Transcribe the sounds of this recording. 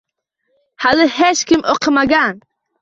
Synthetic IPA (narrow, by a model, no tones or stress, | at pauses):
halɨhɛʃkɪmɔqʰɨmaɡan